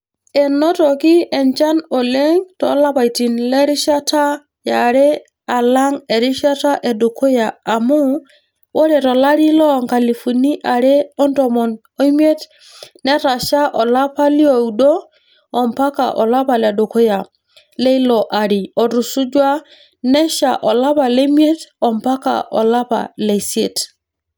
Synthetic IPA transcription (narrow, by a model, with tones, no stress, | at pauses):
e˨nɔ˦tɔ˨ki˦ɛ˨ɲt͡ʃa˦no˨le˦ŋtɔ˨˦la˦pa˨jti˨nlɛ˦ɾi˦ʃa˦ta˦ | ja˨ɾe˦ | a˨la˦ŋe˨ɾi˦ʃa˦ta˦ʔe˨do˨ko˦jaː˨mu˦ | wo˦ɾe˨tɔ˨la˦ɾi˦lɔ˦˨ŋka˨li˨fu˨ni˦ʔa˨ɾe˦ɔ˦ntɔ˨mɔ˨n | ɔ˦i˦mje˦t | nɛ˦ɾa˨ʃa˦ʔɔ˨la˦pa˦li˦o˨u˨dɔː˦˨ | mpa˦ka̰˨ʔɔ˨la˦pa˨la˨do˨ko˦ja˨ | le˦i˦lɔ˨ʔa˨ɾi˨ɔ˨ɾu˨su˦d͡ʒwa˦ | nɛ˦ʃa̰˨ʔɔ˨la˦pa˨le˦mi˦e˦tɔ˨mpa˦ka̰˨ʔɔ̰˨la˦pa̰˨le˨se˨t